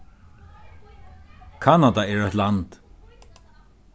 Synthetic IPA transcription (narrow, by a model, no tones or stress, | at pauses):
kʰanad̪aɛɹɔjt̪lant̪